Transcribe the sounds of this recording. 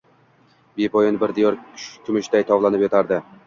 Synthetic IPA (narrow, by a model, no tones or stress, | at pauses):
bepʰɒjɪnbɪɾd̪ɪjɒɾkʲʰʊmɪʃd̪ajt̪ʰɒvlˠanɪpjɒt̪ʰaɾd̪ɪ